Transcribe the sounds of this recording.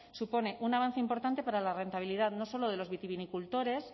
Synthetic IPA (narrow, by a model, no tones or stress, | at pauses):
supo̞ne̞ʔunaβ̞an̟θeimpo̞ɾt̪ant̪e̞paɾalare̞nt̪aβ̞iliðaðno̞so̞loðe̞lo̞zβit̪iβinikult̪o̞ɾe̞s